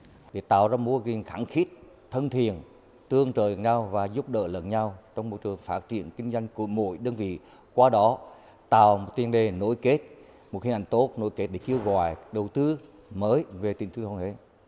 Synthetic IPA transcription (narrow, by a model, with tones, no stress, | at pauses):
ɗe˨˧˩t̪a̰ː˧˨wzaː˧mu˧əɣi˨˩ŋxa˧˩nxi˦˥t̚ | t̪ʰə˧nt̪ʰi˨ən | t̪ɨ˧əŋt͡ɕəː˨˩˨nɲa˧wvaː˨˩zʊ˦˥p̚ɗə̰ː˧˨lə̰˧˨nɲa˧wt͡ɕɔ˧wŋ͡mmo˨˩jt͡ɕɨ˨˩əŋfaː˦˥t̚t͡ɕḭ˧˩˨ənkï˧ŋ̟zwa˧jŋ̟ku˧˩əmo̰˧˩˨jɗə˧nvḭ˧˨ | kwaː˧ɗɔ˨˦ | t̪a̰ː˧˨wmo˨˩t̚t̪i˧˩ənɗe˨˩no˧˥jke˦˥t̚ | mo˨˩t̚hi˧nʔa˧˩ŋ̟t̪o˦˥t̚no̰˧˥jke˦˥t̚ɗe˧˩ke˧wɣɔ̰˧˨jɗə˨˩wt̪ɨ˧ | məː˨˦jve˨˩t̪ï˨˧˩ŋt̪ɨ˧t̪ʰə˧˩nʰe˨˦